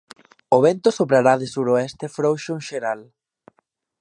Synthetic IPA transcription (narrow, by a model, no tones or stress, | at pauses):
oβɛnt̪osopɾaɾaðesuɾoɛst̪efɾowʃoŋʃeɾal